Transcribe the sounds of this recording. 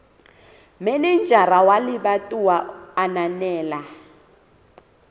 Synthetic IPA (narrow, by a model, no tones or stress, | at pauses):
mɛnind͡ʒʱaɾawaliɓatʼuwaːnanɛːla